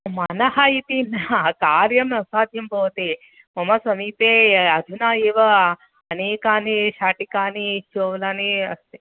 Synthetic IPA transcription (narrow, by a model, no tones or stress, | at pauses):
maːnɐɦajit̪inakaːɾjɐmnɐsaːd̪ʱjɐmbɐʋt̪e | mɐmɐsɐmiːpeɐd̪ʱunaːeːʋɐ | ɐneːkaːniʃaːʈikaːnit͡ʃoʋlaniɐst̪e